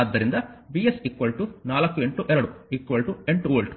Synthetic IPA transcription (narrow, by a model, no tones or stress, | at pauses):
ɐd̪ːɐɾind̪ɐbiesikʋɐlʈunaːlɐkːueɳʈuʔɛɾɐɽuikːʋɐlʈueɳʈuɐːɭʈu̥